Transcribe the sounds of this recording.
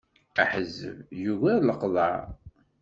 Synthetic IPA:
æħəzːə̰vjuɣæləqðˤɑɾ

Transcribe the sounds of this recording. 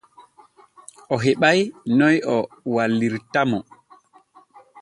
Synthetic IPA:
ʔɔɦeɓajnɔjɔ | walːiɾtamɔ

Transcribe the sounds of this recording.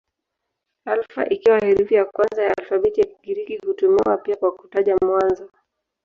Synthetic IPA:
alfa̰ʔikiwahɛɾuvijakwanzajaalfaɓitiakiɡiɾiɡihutumiwapiakwaku̥taʄamwanzɔ

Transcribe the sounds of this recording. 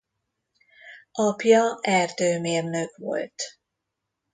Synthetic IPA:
ʔɒpjɒɛrd̪øːmeːrnøkʋo̞̰lt̪

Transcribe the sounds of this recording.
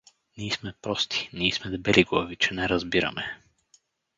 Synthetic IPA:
niːsmɛpɾɔst̪ʰi̥niːsmɛd̪ɛbɛliɡovit͡ʃɛnɛɾɐzbiɾɐ̰mɛ

